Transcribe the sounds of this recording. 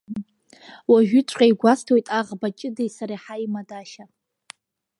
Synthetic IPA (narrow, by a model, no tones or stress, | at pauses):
waʒᶣʏt͡sʷʰʼqʲʼajɡʷastʰwojtʼaʁbat͡ʃʼɪdejsaɾiħaimadaʃa